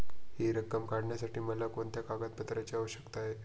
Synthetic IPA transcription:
hiɾəkːəmkaɽɳjasaʈiːməlakoɳt̪jakaɡat̪̚pət̪ɾat͡ɕiəʋəɕə̥kt̪aɦe

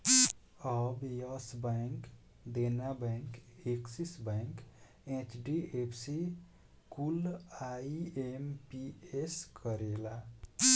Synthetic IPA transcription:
ɔbjɔsbaŋk | d̪enabeŋkeksisbaŋk | ẽt͡ʃɖiepʰsi | kulaempieskʰəɾela

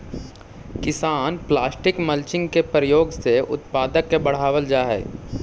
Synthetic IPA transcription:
kɪsaːnplaːsʈɪkməlt͡ʃɪ̃ŋɡkepɾəjoːɡseʔʊ̰t̪paːd̪əkːebɐɽ̤aːʋəld͡ʒaːɦɛ̰ː

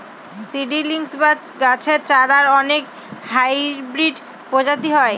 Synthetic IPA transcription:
siɖiliŋsba | ɡat͡ɕʰeɾt͡ɕaɽaɾɔnek | hajbɾiɖ | pod͡ʑat̪iɦɔe

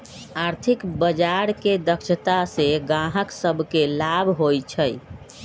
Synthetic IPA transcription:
aɾt̪ʰikbəd͡ʒaɾked̪əkʃʰət̪aseɡãɦəksəbʱkelabʱɦojt͡ʃʰəj

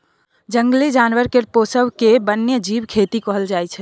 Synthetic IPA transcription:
d͡ʒəŋɡlid͡ʒanʋəɾkeɾposəwkebənjəd͡ʒibkʰet̪ikɔɦəld͡ʒajt͡ʃʰɛ

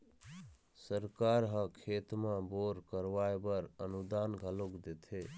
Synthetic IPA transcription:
səɾkaɾɦə̃kʰet̪mãboɾkəɾʋaebəɾənud̪anɡʱəlokd̪et̪ʰe

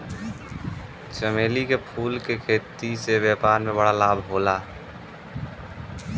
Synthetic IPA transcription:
t͡ʃəmeːlikepʰuːlkekʰeːt̪iseʋjaːpaːɾmẽbəɽalaːbʱɦoːlaː

